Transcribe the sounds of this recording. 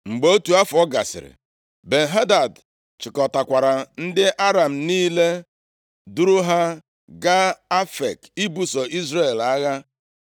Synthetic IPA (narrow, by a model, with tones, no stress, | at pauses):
ŋ͡m̩˨ɡ͡bo˦tu˨a˦fʊ˨ɔ˦ɡa˨sɪ̰˨ɾɪ̰˨ | be˨ɦa˦da˨d | t͡ʃɪ˨kɔ˨ta˨kʷa˨ɾa˨n̩˦dɪ˦ʔa˦ɾa˨m̩˨niː˦le˦ | du˦ɾʊ˦ɦa˦ | ɡa˦a˦fḛ˨ki˦bu˦sɔ˨ʔi˦zre˦˨e˨la˦ɣa˦